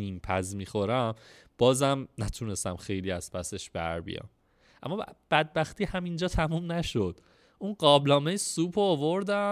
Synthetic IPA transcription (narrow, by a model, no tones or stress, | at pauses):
iːmpʰæzmiːxo̞ɾæmb̥ɒːzæmnæt̪ʰunest̪æmxe̞jliːæz̥pʰæse̞ʃb̥æ̰ɾbḭjɒ̰ːm | ʔæ̰mːɒb̥æd̪̚bæxt̪ʰiːhæmind͡ʒɒːt̪ʰæmuːmnæʃod̪̥ | unɢɒːblɒːmejsuːpʰoːvoɾd̪æ